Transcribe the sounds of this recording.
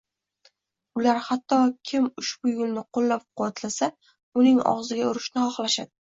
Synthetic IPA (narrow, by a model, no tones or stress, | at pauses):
ʊlaɾhat̪ʰːɒkʲʰɪmʊʃbʊjɡʲɪlnɪqʰolːap̚qʰʊwat̪lasa | ʊnɪŋɒ̰ʁzɪɡʲaʊɾɪʃnɪχɒχlaʃad̪ɪ